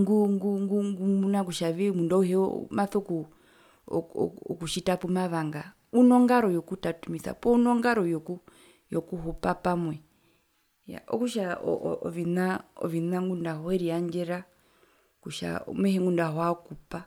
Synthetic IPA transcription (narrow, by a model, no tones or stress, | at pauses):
ŋɡuŋɡuŋɡuŋɡumunak̬uʃaʋimundɔuhɛɔ̰maθɔku | ɔkuʃitapumaβaŋɡa | unɔŋɡaɾɔjɔkutatumisa̰pɔunɔŋɡaɾɔjɔku | jɔkuhupapamwɛ | ja̰ɔ̰kuʃaɔɔʋinaɔ̰ʋinaŋɡundahɔhɛɾiaɲd͡ʒɛɾa | kuʃa̰mwɛhɛŋɡundahɔaɔkupa